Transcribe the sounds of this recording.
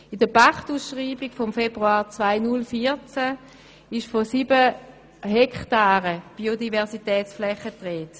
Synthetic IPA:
idəpaktuːsʃʁiːbiɡ̥fɔmfebʁuaːʁt͡svaɪnʊlfiːt͡sæ | ɪʃfosiːbə | ɦɛkχtaːʁəb̥iːodivɛɐsitɛːt͡sflɛχətʁeːt

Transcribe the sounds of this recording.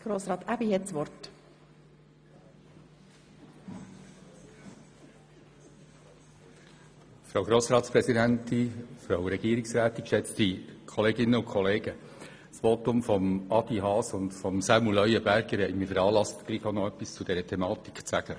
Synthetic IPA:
ɡ̥ɾoːsɾɑːt̪æbihɛtsʋɔɾt | fɾowɡɾoːsɾɑːt̪spɾɛsidæntifɾowɾɛɡ̥iːɾiksɾæːt̪ːikʃɛt͡stikʰɔleːɡɪnːəʊkʰχɔleːɡə | sʋotʊmfɔmɑd̥iɦɑːsʊndfɔmsɑmulœʏəbæɾɡ̥əɾhɛɪjmɪɾfəɾɑːlɑst̪ɡ̥liːχonɔœpːist͡sʊd̥ɛɾətʰɛmɑːt̪i̥kχt͡sæɡ̥ə

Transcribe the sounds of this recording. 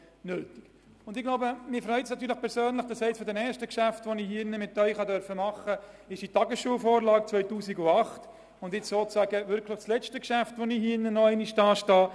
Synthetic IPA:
nøːtik | ʊndɪɡ̥laʊbəmɪfɾœʏtsnɑtːyːɾləχpʰɛɾsøːnləχd̥ɑsɛɪt͡sfɔɾdɛnɛːɾʃtəkʃæftʋɔnihinəmɪtːœʏχɑdœɾfəmɑχːə | ɪʃitɑɡəsʃuːəfoːɾlɑːk̚t͡sʋœʏtuːsiɡʊɑχt | ʊndɪt͡ssoːt͡sæːɡəʋʏɾkləχslɛt͡ʃtəkʃæftʋɔniɦhinːənɔɛɪniʃdɑːʃtɑː

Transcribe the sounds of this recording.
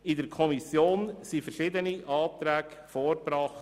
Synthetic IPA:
ɪdəɾkʰɔmisjoːnsifəɾʃɪd̪əniʔɑːt̪ɾæːɡ | fɔːɾbɾɑχt

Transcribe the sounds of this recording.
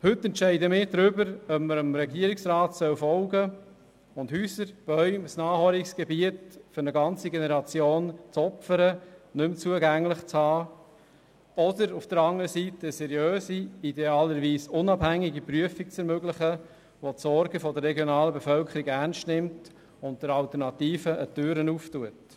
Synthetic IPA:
hɵtːɛntʃɛɪdəmɪːɾdɾʏbəɾœpməɾəmɾɛɡiəɾɪksɾɑːtsœwfɔlɡə | ʊndhyːsəɾb̥œʏmsnɑːhɔlɪksɡ̥ɛbiətfʏɾnəɡɑnt͡siɡenɛɾɑt͡sjoːnt͡sɔpfəɾənʏmt͡suəɡæŋlɪχt͡shɑː | ɔdəɾufd̥əɾɑŋəɾəsitəsɛɾjøːsiideɑːləɾʋiːsʊnɑbhæŋiɡipɾyəfik̚t͡sɛɾmøɡlɪχə | ʋotsɔɾɡəfɔdəɾːɛɡjonɑːləbefœlkʰəɾiɡæʁnstnɪmt | ʊnt̚d̥əɾɑltəɾnɑt̪iːfəʔətøːɾənuːftuət

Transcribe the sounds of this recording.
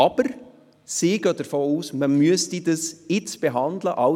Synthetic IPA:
ɑb̥əɾ | sɪːɡ̥œːd̥əɾfoːuːsməmyəstidəsɪt͡sb̥eɦɑndləʔɑ

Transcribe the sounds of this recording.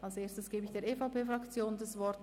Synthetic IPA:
ʔalsʔeːstəsɡ̥eːbəɪçd̥eːɐʔeːfaʊpeːfʁakt͡sjoːnndasvɔɾt

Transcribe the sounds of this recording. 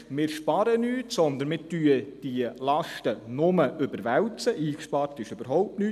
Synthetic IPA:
mɪːɾʃpɑːɾənyːtsɔnd̪ənmɪːtyəd̥iəlɑʃtənʊməʔʏbəɾʋæwt͡səʔiːkʃpɑːɾtɪʃøb̥əɾɦɔʊp̚tnyː

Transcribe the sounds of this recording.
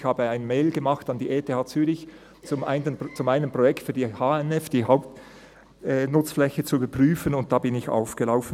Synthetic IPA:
çhaːbəaɪnmeɪlɡəmɑχtɑndiːʔeːtʰehaːt͡syːʁɪç | t͡sʊmʔaɪnət͡sʊmaɪnəmpʁ̥ojɛktfyːdiːhaːɛnɛfd̥iːɦaʊp̚t | ɛnʊt͡sflɛçət͡suybəɐpʁ̥yːfənʊnt̚d̥aːbɪnɪça̰ʊfɡ̥əlaʊfn̩

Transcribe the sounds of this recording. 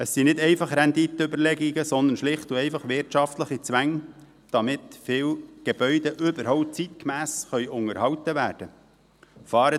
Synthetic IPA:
əsːinɪd̪ɛɪfɑχɾɛnd̪it̪əøbəɾlɛɡiɡəsɔnd̪ənʃlɪχt̪uɛɪfɑχʋɪɾtʃɑft̪ləχit͡sʋæŋ | d̪̥ɑmɪt̪fɪːwɡ̥eb̥œʏd̪əʔʏbəɾhɔʊp̚tt͡sit̪kmæːsχœʏʔʊŋəɾhɑwt̪əʋæːɾd̥ə | fɑːɾə

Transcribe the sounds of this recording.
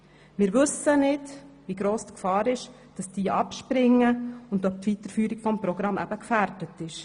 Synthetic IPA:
mɪːɾʋɵsənɪdviɡɾoːsdkfɑːɾɪʃ | d̥ɑsd̥iːʔɑpʃpɾɪŋːəʊndœp̚tʋitəɾfyːɾikfɔmpɾɔɡɾɑmːʔæ̰bəkfæɾdətɪʃ

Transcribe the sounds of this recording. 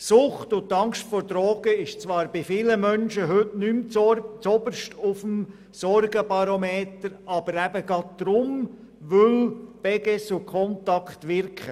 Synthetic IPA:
sʊχtʊt̪ːɑŋstfɔɾd̥ɾɔːɡ̥əɪʃt͡sʋɑːɾb̥ɪfɪːləmœnʃəɦøtnymt͡st͡sɔbəɾʃtʊfəm | sɔɾɡəbɑɾomeːtəɾɑb̥əɾæb̥əɡɑt̚d̪̥ɾʊm | ʋʏlb̥ɛɡɛsʊkʰɔntɑkχtʋɪɾkχə

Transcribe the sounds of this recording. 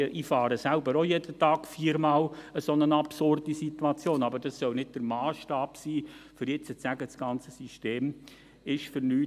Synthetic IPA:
ʔifɑːɾəsælbəɾojed̥ətɑːɡ̥fiːɾmɑːləsonənɑpsʊrdisit̪uɑt͡sjoːnɑbəɾd̥ɑsːœlnɪd̚d̥əɾmɑːsʃtɑːpsiːfʏɾjɛt͡sət͡sæɡəsɡ̥ɑnt͡səsiʃteːm | ɪʃfʏɾnyː

